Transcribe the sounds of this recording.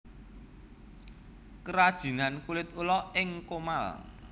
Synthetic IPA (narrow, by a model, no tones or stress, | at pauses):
kəɾad̥ʒ̥i̤nankulɪt̪ulɔɪŋkomal